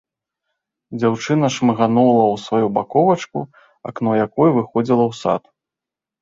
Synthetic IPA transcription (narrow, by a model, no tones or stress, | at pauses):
d͡zʲawt͡ʂɨnɐʂmɐɣanulˠɐwsvajubakɔvɐt͡ʂkṵ | a̰knɔjakɔjɛvɨxɔd͡zʲilˠɐwsa̰t̪